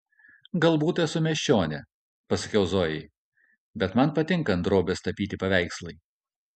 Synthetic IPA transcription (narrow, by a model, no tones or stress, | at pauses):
ɡɐlˠbuːt̪ɛsʊmʲɛʃʲt͡ʃʲoːnʲɛ | pɐsɐkʲɛʊzoːjɛɪ | bʲɛt̪mɐnpɐt̪ʲɪŋˑkɐnd̪ɾoːbʲest̪ɐpʲiːt̪ʲɪpɐʋʲæɪkslˠɐɪ